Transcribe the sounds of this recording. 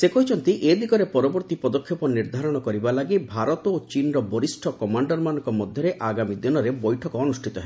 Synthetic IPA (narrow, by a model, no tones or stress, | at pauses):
sekɔit͡ʃʰɔnt̪iʔed̪ikɔɾepɔɾɔbɔɾt̪ipɔd̪ɔkʰːjɔpɔniɾd̪ʱaɾɔɽ̃ɔkɔɾibalaɡibʱaɾɔt̪ot͡ʃinɾɔbɔɾisʈʰɔkɔmaɳɖɔɾmanɔŋkɔmɔd̪ʱjɔɾeʔaɡamid̪inɔɾebɔjʈʰɔkɔːnusʈʰit̪ɔɦe